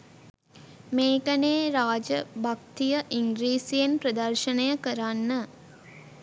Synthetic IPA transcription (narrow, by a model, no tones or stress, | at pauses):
meːkəneːɾaːd͡ʒəbak̚t̪ijəʔiŋɡɾiːsijenprəd̪ɐrʃənəjəkəɾanːə